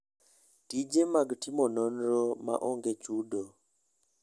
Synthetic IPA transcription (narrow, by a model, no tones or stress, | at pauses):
tid͡ʒemaɡtimɔnɔnɾɔma̰ʔɔŋɡet͡ʃudo